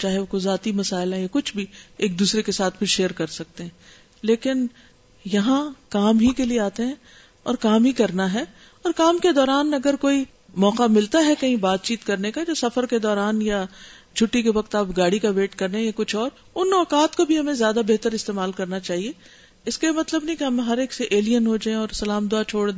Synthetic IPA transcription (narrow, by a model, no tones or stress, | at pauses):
t͡ʃaːɦeʊkozaːt̪imɐsaːɪlɦɛ̃jakʊt͡ʃʰbʱieːk̚d̪uːsɾekesaːt̪̚ʰbʱiɾʃeːəɾkɐɾsɐk̚t̪eɦɛ̃ː | leːkɪn | jɐɦãkaːmɦikelieaːt̪eɦɛ̃ː | ɔːɾkaːmɦikɐɾnaɦɛ | ɔːɾkaːmked̪ɔːɾaːnɐɡəɾkoːi | mɔːqamɪlt̪aɦɛkɐɦĩbaːt̪̚t͡ʃiːt̪kɐɾnekad͡ʒoːsɐfəɾked̪ɔːɾaːnja | d͡ʒʰʱʊʈːikeʋɐqt̪aːpɡaːɽikaʋeːʈkɐɾneẽkʊt͡ʃʰɔːɾ | ʊnːɔːkaːt̪kobʱiɦɐmẽzjaːd̪abeɦt̪əɾɪst̪eːmaːlkɐɾnat͡ʃaːɦie | ɪskemɐt̪ləbnɐɦĩkeɦɐmɦɐɾeːkseʔeːlijənɦod͡ʒaːẽɔːɾsɐlaːmd̪ʊat͡ʃʰoːɽd̪